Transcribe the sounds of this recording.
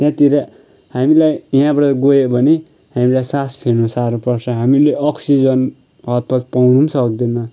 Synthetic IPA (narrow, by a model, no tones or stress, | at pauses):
t̪jãt̪iɾʌ | ɦamilajiɦãbʌʈʌɡojebʱʌne | hamilajsaspʰeɾnũsaɾupʌrt͡sʰʌɦamileʔʌksid͡zʌn | ɦʌt̪̚pʰʌt͡spawnunsʌkd̪inʌ